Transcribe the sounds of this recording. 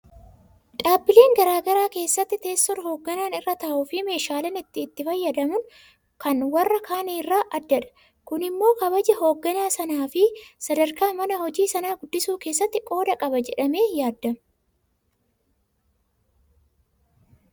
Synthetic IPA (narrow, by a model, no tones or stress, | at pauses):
ᶑaːbːɪleːŋɡɐɾaːɡɐɾaːke̞ːsːɐt̪ːɪt̪e̞ːst̪ɔɾho̞ːɡːɐnaːnɪrːɐt̪ɐʔuːfɪme̞ːʃaːlɐnɪt̪ːɪːt̪ːɪfɐjːɐd̪ɐmʊn | kɐnwɐrːɐkʰaːniːrːaːʔɐd̪ːɐᶑɐ̥ | kʊnɪmːo̞ːkɐbɐd͡ʒɛɦo̞ːɡːɐnaːsɐnaːfɪsɐd̪ɐɾkaːmɐnɐhɔd͡ʒiːsɐnaːɡʊd̪ːɪsuːke̞ːsːɐt̪ːɪkʼo̞ːd̪ɐkʼɐbɐd͡ʒɛᶑɐme̞ːjaːd̪ːɐm